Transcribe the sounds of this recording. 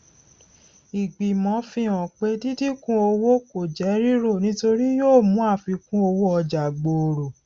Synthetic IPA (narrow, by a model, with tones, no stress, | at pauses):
i˨ɡ͡bi˨mɔ̃˨˦fĩ˧ɔ̃˨k͡pe˦ti˦ti˦kũ˦o˧wo˦ko˨d͡ʒɛ˨˦ɾi˦ɾo˦˨nĩ˦to˧ɾi˦joː˦˨mũ˨˦a˦˨fi˧kũ˦o˧wo˦ɔ˧d͡ʒa˨ɡ͡bo˨o˨ɾo˨